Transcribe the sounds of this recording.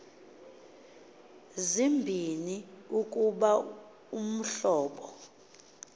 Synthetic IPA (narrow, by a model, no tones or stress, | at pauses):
zimbʱiniuk̬ʼuɓa | um̩ɬɔːɓɔ